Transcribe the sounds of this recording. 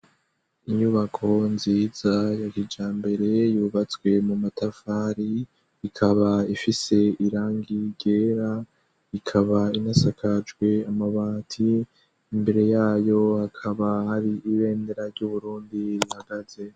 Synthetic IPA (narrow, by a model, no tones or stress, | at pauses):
iɲuβakʰo̞nziːzajakid͡ʒaːmbe̞ɾe̞juːβat͡swe̞mumatafaːɾi | ikʰaβaifise̞iɾaːŋɡiɟeːɾa | ikʰaβainasakʰad͡ʒɡwe̞amaβaːtʰiː | mbe̞ɾe̞jaːjo̞hakʰaβahaɾiʔiβe̞ːnde̞ɾaɾɟuβuɾuːndiɾihaɡaze̞